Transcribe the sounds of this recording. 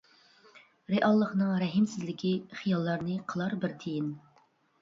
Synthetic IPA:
ɾeʔɑlˠːəχnɨŋɾɛɦɪmsɪzlɪkʲʰiχijɑlˠːɑɾnɨqʰəlˠɑɾbɪɾt̪ʰejɪn

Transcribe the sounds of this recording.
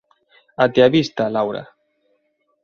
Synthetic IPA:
at̪eaβist̪alawɾa̰

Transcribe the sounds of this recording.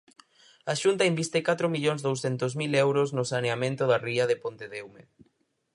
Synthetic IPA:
aʃunt̪ɐimbist̪ekat̪ɾomiʎoŋzðowsθent̪ozmilɛwɾoznʊsaneamẽnt̪ʊðariɐðepont̪eðewme

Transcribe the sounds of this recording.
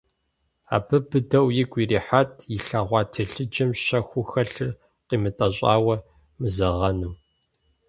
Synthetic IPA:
a̰ːbɨbɨdɐwjɪɡʷiːriːħatʰjɪɬaːʁʷɑːtʰɨɬɨd͡ʒɐmɕɐxʷʊxɐɬɨr | qiːmɨtʼɐɕʼaːwɐ | mɨzɐʁɐnu

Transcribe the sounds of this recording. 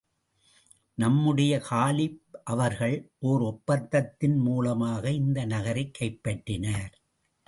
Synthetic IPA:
nɐmːɯɽɐjɐkaːlɪpʔɐʋɐɾɣɐɭʔoːɾɔpːɐt̪ːɐt̪ːɪnmuːlɐmaːɣɐɪnd̪ɐnɐɣɐɾɐɪkːɐɪpːɐʈːɪnaːɾ

